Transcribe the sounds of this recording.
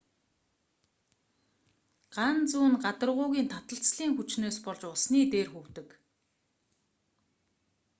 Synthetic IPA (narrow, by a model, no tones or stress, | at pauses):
ɢ̥ant͡suːnɢat̪ə̆rʁʊːɣʲiːnt̪ʰat̪ə̆ɬt͡sɮiːŋxut͡ɕnoːspɔɮt͡ɕʊsniːt̪eːrxɵwt̪ɵ̆k